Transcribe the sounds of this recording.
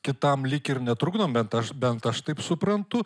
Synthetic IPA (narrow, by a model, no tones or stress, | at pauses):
kʲɪt̪ɐmlʲɪkʲɪɾnʲɛt̪ɾʊɡd̪oːmbʲɛnt̪ɐʃbʲɛnt̪ɐʃt̪ɐɪpsʊpɾɐnt̪ʊ